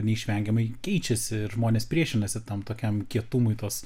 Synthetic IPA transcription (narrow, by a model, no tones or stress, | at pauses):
nʲɛiːʃʲʋʲɛŋʲɡʲɛmɐɪkʲɛɪt͡ʃʲɛsʲɪʒmoːnʲeːspʲɾʲiɛʃʲɪnɐsʲɪt̪ɐmt̪oːkʲɛmkʲiɛt̪umʊɪt̪oːs